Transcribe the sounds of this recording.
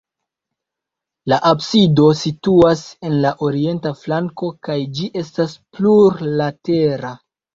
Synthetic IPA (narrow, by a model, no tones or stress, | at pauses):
laʔabsido̞situase̞nlaʔo̞ɾie̞ntaflaŋko̞kajd͡ʒiʔe̞staspluɾlate̞ɾa